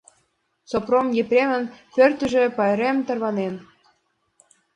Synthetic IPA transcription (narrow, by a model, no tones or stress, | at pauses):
t͡sopromjeprʲemə̆npørt̪ə̆ʒĕpɑjɾemt̪ərβɑnen